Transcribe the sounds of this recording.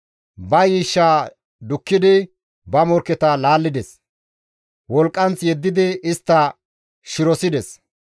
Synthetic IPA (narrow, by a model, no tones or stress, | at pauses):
bɐjiːʃːaː | d̪ʊkːɪd̪ɪ | bɐmɔɾkːɛt̪ɐlaːlːɪd̪ɛs | wɔlkʼːɐnt͡sjɛd̪ːɪd̪ɪɪst̪ːɐ | ʃɪɾɔsɪd̪ɛs